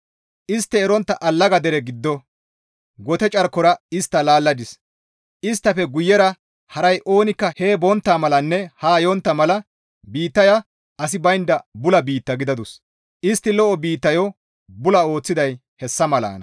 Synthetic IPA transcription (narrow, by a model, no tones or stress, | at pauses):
ʔɪst̪ːɛːɾɔnt̪ːɐʔɐlːɐɡɐd̪ɛɾɛɡɪd̪ːɔ | ɡɔt̪ɛt͡ʃʼɐɾkːɔɾɐɪst̪ːɐlaːlːɐd̪ɪs | ʔɪst̪ːɐfɛɡʊjːɛɾɐ | hɐɾɐjʔo̞ːnɪkːɐheːbɔnt̪ːaːmɐlɐnːɛhaːjɔnt̪ːɐmɐlɐ | biːt̪ːɐja | ɐs̬ɪbɐjnd̪ɐbʊlɐbiːt̪ːɐɡɪd̪ɐd̪ʊs | ʔɪst̪ːɪlɔʔɔbiːt̪ːɐjɔ | bʊlɐo̞ːt͡sːɪd̪ɐj | hɛsːɐmɐla̰ːnɐ